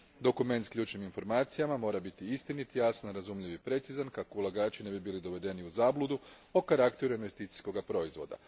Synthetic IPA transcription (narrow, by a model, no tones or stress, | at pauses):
d̪o̞kume̞nt̪skʎʲuːt͡ʃniminfo̞ɾmaːt̪sijamamo̞ːɾabit̪iist̪init̪jasanɾazumʎiʋipɾe̞t̪sizankakoulˠaɡaːt͡ʃine̞bibiːlid̪o̞ʋe̞d̪e̞niuzaːblˠud̪u | okaɾakt̪e̞ɾuinʋe̞st̪iːt̪i̥sko̞ɡapɾo̞izʋo̞̰d̪a̰